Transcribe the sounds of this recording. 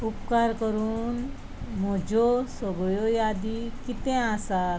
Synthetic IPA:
upkaɾkəɾuːn | m̤ɔd͡ʑɔsɔɡjɔjad̪ikit̪ɛ̃asa

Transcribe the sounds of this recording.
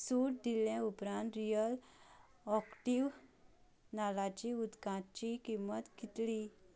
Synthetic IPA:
suʈ̚d̪iljɛ̃upɾãnt̪ɾijəl | ɔkʈiʋ | nalat͡ɕiud̪kãt͡ɕikimːət̪ɡʱit̪li

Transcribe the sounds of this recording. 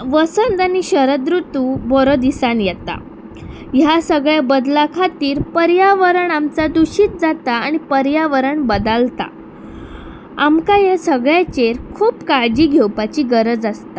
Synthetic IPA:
ʋəsənd̪añiɕəɾəd̪ɾut̪ubɔɾɔd̪isanjɛt̪a̰ | jasəɡɭjabəd̪lakʰat̪iːɾpəɾjaʋəɾəɳamt͡sad̪uɕiːt̪̚d͡zat̪aaɽ̃ipəɾjaʋəɾəɳbəd̪əlt̪a̰ | amkajesəɡɭjat͡ɕeɾkʰuːpkaɭd͡ʑiːɡʱewpat͡ɕiːɡəɾəd͡zəst̪a

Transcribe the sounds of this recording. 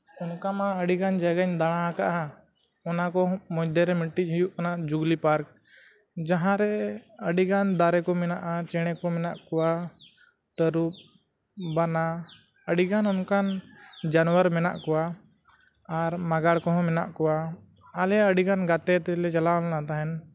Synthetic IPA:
ɔnkamaəɖikand͡ʒaɡaɲd̪aɽ̃aɦakaʔã | ɔnakɔmɔjd̪ɛɾɛmiɳʈic̚ˀɦijuʔkanaʔd͡ʒuɡlipaɾk | d͡ʒãɦãɾɛəɖikand̪aɾɛkɔmɛnaʔat͡ʃɛɽ̃ɛkɔmɛnaʔkɔwa | t̪əɾup̚ | bana | əɖiɡanɔnkand͡ʒanwəɾmɛna̰ʔkɔwaː | ɾmaɡaɽkɔɦɔ̃mɛna̰ʔkɔwaː | lɛəɖiɡanɡat̪ɛt̪ɛlɛt͡ʃalalnat̪aɦɛn

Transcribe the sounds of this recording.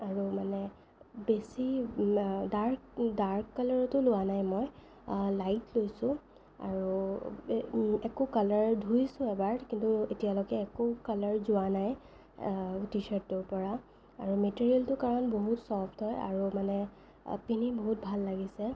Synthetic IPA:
aɹumanɛ | besi | daɹkdaɹkkalɔɹɔtʊlʊwanajmɔj | lajtlojsʊ̃ | a̰ɹu | ɛkʊkalaɹdʱujsʊ̃ɛbaɹdkintuetijalɔɡɛːkʊkalaɹzʊwanaj | tisɛɹtːʊɹpɔɹa | aɹumetiɹijɛltʊkaɹɔnboɦutsɔpʰtʰɔja̰ɹumanɛ | piniboɦut̚bʱalːaɡisɛ

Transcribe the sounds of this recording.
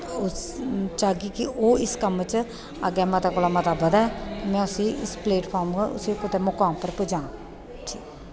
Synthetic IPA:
ʊt͡ʃaːɡiːkɪʔoːɪskəmt͡ʃ | ə̰ɡɛːmət̪aːkoːlaːmət̪aːbəd̪ɛːmɛ̃ːʊsiːɪspleːʈpʰaːɾmkʊ̰siːkʊt̪emʊkãːmpəɾpʊd͡ʒãː | ʈʰiːkː

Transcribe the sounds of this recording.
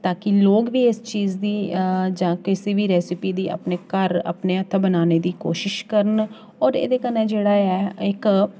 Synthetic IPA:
t̪aːkɪloːɡʋiːɪst͡ʃiːzd̪iːd͡ʒãːkɪsiːbiːɾɛːsɪpiːd̪iːʔə̰pneːkəɾə̰pneːət̪ʰːbənaːneːd̪iːko̰ːʃɪʃkəɾən | ɔːɾḛːd̪eːkəneːd͡ʒeːɽaːɛːɪk

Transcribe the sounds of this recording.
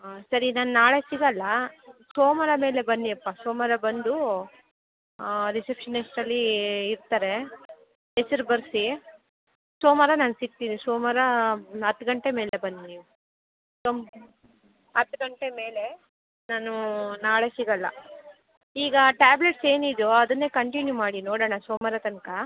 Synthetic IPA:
sɐɾinaːnunaːɭe̞siɡɐlːɐsoːmɐɾɐme̞ːle̞bɐnːiɐpːasoːmaɾɐbɐnd̪u | ɾisepʂɐnesʈɐlːiːɾt̪aːɾe̞ | esɐɾubɐɾsi | soːmaɾɐnaːnusiɡ̚t̪inisoːmaɾɐɐt̪ːɡɐɳʈe̞meːlebɐnːniːʋu | som | ɐt̪ːɡɐɳʈe̞me̞ːle̞ | naːnunaːɭesiɡɐlːɐ̰ | iːɡɐʈaːbleʈse̞ːnid̪oɐd̪ɐnːe̞ːkɐɳʈinjumaːɽinoːɽɐːɳɐsoːmɐɾɐt̪ɐnka

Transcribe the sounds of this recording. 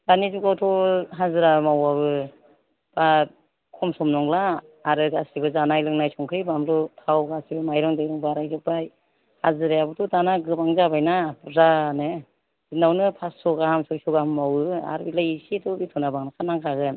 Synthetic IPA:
d̥anizukawtʰɔɦazɯɾamawaβɯ | b̥a | kʰɔmsɔmnɔŋlaː | ɾɯɡasibɯzanajlɯŋnajsɔŋkʰɯjbamlɔtʰawɡasibɯmajɾɔŋdɯjɾɔŋbaɾajzɔk̚baj | hazɯɾajabɯtʰɔdanaɡɯbaŋzabajnabzanɯ | zinawnɯpʰassɔɡahamsɔjsɔɡahmːawɯa̰ɾbilajisitɔbitʰɔnabaŋnakʰanaŋkʰaɡɯn

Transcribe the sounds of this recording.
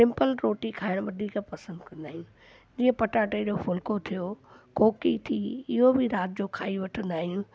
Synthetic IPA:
sɪ̃mpəlɾoːʈikʰaːɪɽ̃ʋɐd̪ʱiːkpɐsə̃nd̪kɐ̃nd̪aːɦijũ | d͡ʑiːə̃pɐʈaːʈeʄofʊlkot̪ʰijokʰoːkit̪ʰiɪɦobʱɪɾaːt̪̚d͡ʑoːkʰaːiʋɐʈʰə̃nd̪aːɦijũː

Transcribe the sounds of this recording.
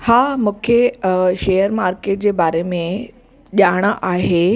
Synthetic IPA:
hamuːkʰeʃejəɾmaɾkeːʈ̚d͡ʑebaːɾemẽ | ʄaɽ̃aʔaɦe

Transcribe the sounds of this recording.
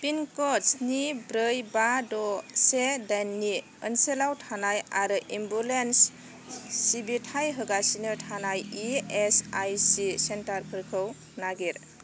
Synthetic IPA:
pinkɔsnibɾɯjbadɔsedajnːi | ənselawtʰanajaɾɯʔimbulensː | ibitʰajɦɯɡasinɯtʰanajiesajsisentaɾpʰɯɾkʰɯw | naɡiɾ

